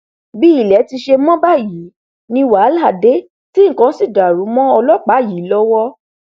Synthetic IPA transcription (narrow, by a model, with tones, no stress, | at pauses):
bi˦i˦˨lɛ˨˦ti˧ʃe˧mɔ̃˦ba˦˨ji˨˦ | nĩ˧wa˨˦la˦˨de˨˦ | ti˦ŋ̩˦˨kã˧˦si˦˨da˨ɾu˨˦mɔ̃˦ɔ˧lɔ˦k͡pa˨˦˨ji˨˦lɔ˦wɔ˦